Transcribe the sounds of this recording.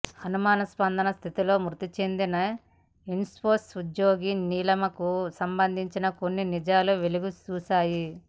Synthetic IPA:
hɐnumaːnɐspɐnd̪ʱɐnɐst̪ʰit̪ilo̞ːmɾut̪it͡ʃe̞nd̪inɐ | inspoːsud͡ʒjoːɡiːniːlɐmɐkusɐmbɐnd̪ʱiɲt͡ʃinɐko̞nːinid͡ʒaːluʋeluɡut͡ʃuːsaːji

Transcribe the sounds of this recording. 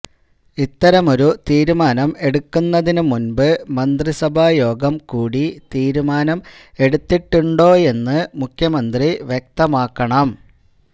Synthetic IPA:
it̪ːɐɾɐmo̞ɾut̪iːɾumaːnɐme̞ɽukːunːɐðinumunbɨmɐnd̪risɐbʱajo̞ːɡɐmkuːɽit̪iːɾumaːnɐme̞ɽut̪ːiʈːuɳɖo̞ːje̞nːɨmukʰjɐmɐnd̪riʋjek̚t̪ɐmaːkːɐɳɐm

